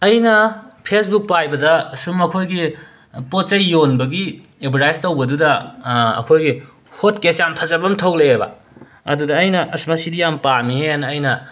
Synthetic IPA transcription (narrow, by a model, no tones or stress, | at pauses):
ɐjnɐpʰesbuk̚pajbɐdɐsumɐkʰojɡi | pott͡ʃɐjːonbɐɡi | ebɾajstowbɐdudɐɐ̰kʰojɡi | hotkesjampʰɐzɐbɐmtʰowlejebɐ̰ | ɐdudɐːjnɐʔɐsmasidijampamiɦeanɐjnɐ